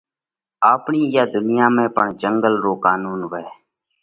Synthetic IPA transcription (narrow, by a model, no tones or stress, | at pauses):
aːpɳiːjaːd̪ʊnɪjãːmẽːpəɳd͡ʒəŋɡəlɾoːkaːnuːnʋɛː